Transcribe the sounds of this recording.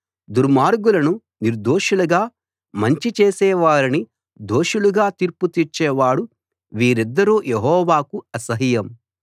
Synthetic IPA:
d̪uɾmaːɾɡulɐnu | niɾd̪oːʃuluɡaː | mɐɲt͡ʃit͡ʃeːsɛːʋaːɾini | d̪o̞ːʃuluɡaːt̪iɾput̪iːɾt͡ʃɛːʋaːɽu | ʋiːɾid̪ːɐɾuːjeɦɔːʋaːkuɐsɐɦijɐm

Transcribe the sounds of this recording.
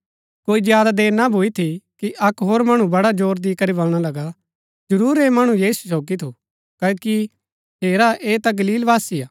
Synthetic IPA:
koːizjaːd̪ad̪eːɾnabʱuit̪ʰikiʔɐkɦoːɾmɐɽ̃ũbɐɽad͡ʒoːɾd̪iːkɐɾibɐlɽ̃alɐɡa | d͡ʒɐɾuːɾemɐɽ̃ũjiːsu̥s̬oːɡit̪ʰu | kɐoki | ɦeːɾaʔeːt̪aɡɐliːlʋaːsijaː

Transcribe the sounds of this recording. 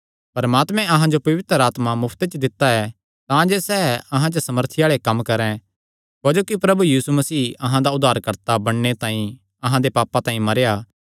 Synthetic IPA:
pɐɾmaːt̪mɛ̃ʔɐɦãd͡ʒopɐʋɪt̪əɾaːt̪mamʊpʰt̪et͡ʃd̪ɪt̪ːaɛ | t̪ãd͡ʒesɛːɐɦãt͡ʃəsɐməɾt̪ʰɪjaːɭekɐmkɐɾɛ̃ | ɦoːd͡ʒoːkipɾɐbujiːsumɐsiːɐɦãd̪aʊd̪ʱːaːɾkɐɾt̪abɐɽnet̪ãːĩ | ɐɦãd̪epaːpãt̪ãːĩmɐɾejaː

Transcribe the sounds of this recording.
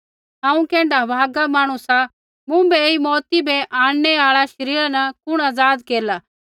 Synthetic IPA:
ɦãːũkɛ̃ːɳɖabʱaːɡamaːɽ̃ũsa | mũbɛeimɔːt̪ibɛʔãːɽ̃nɛaːɭaʃɐɾiːɾanɐkʊɽ̃aːd͡zaːd̪keːɾlaː

